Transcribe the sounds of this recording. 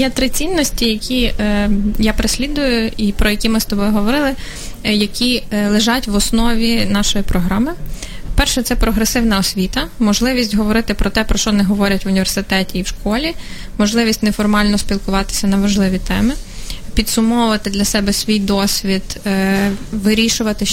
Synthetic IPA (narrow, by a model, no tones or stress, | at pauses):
jɛt̪ɾɪt͡sʲinːɔsʲtʲijɐkʲi | japɾɪsʲlʲid̪ʊjʊipɾɔjɐkʲimɪst̪ɔbɔjʊɦɔʋɔɾɪlˠɪ | jɐkʲilˠɪʒɑtʲʋɔsnɔʋʲinɑʃɔjipɾɔɦɾɑmɪ | ppɛrʃɛt̪sɛpɾɔɦɾesɪwnɐɔsʲʋʲit̪ɐmɔʒlˠɪʋʲisʲtʲɦɔʋɔɾɪt̪ɪpɾɔt̪ɛpɾɔʃt͡ʃɔnɪɦɔʋɔɾʲɐtʲʋʊnʲiʋʲersɪt̪ɛtʲiːwʃkɔlʲi | mɔʒlˠɪʋʲisʲtʲnɛfɔrmɑlʲnɔsʲpʲilˠkʊʋɑt̪ɪ̥sʲɐnɐʋɐʒlˠɪʋʲit̪ɛmɪpʲid̪sʊmɔʊʋɐt̪ɪd̪lʲɐsɛbɛsʲʋʲijd̪ɔsʲʋʲid̪ | ʋɪɾʲiʃʊʋɐt̪ɪ